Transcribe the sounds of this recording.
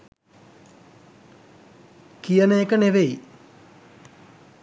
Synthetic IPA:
kijənejekəneʋej

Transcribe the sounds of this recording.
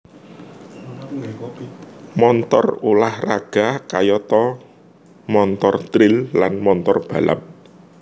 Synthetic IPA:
mɔnt̪ɔ̰rulahraɡ̥a̤kajɔt̪ɔ | mɔnt̪ɔrt̪ɾɪlːanmɔnt̪ɔrb̥a̤la̰p̚

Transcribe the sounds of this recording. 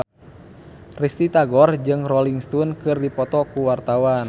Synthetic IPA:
rist̪it̪aɡɔrd͡ʒɨŋrɔliŋst̪unkɨrdipɔt̪ɔkuwart̪awan

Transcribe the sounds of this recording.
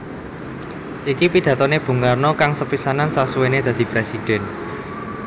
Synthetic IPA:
ʔikipiɖ̥ä̤t̪ɔneb̥ṳŋarnɔkaŋsəpisanansasuwened̪̥ä̤d̪̥i̤pɾesid̪̥ɛ̤n

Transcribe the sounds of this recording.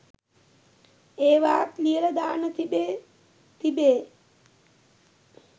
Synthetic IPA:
eːʋaːt̪liələd̪aːnət̪ʰibe | t̪ʰibeː

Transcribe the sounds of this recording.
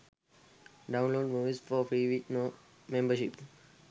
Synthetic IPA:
ɖãʊ̃nloːɖmuːʋizfɔːfɾiːʋiknɔ | mẽmbəʃip

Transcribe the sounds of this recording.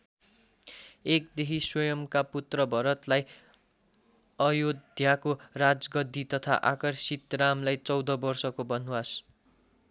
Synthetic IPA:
ekd̪eɦʰiswʌjʌmkaput̪rʌbʱʌɾʌt̪laj | ʌjod̪ʱjakorad͡zɡʌd̪ʱːit̪ʌt̪ʰa̰ʔakʌrsit̪ramlajt͡sʌwd̪ʌbʌrsʌkobʌnuwas

